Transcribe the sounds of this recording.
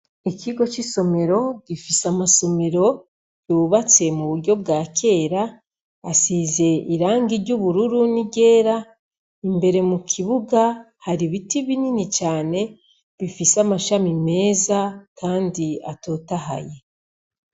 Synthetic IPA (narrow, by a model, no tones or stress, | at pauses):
iciɡo̞t͡ʃiso̞me̞ɾo̞ɟ̥ifisamaso̞me̞ɾo̞ | ɟuβat͡se̞muβuɾɟo̞b̚ɡaːke̞ːɾaː | size̞iɾaːŋɡiɾɟuβuɾuɾuniɟe̞ːɾa | imbe̞ɾe̞mukʰiβuɡa | haɾiβitiβininit͡ʃaːne̞ | βifisamaʃamime̞ːzakʰaːndia̰to̞ːtaɦa̰je̞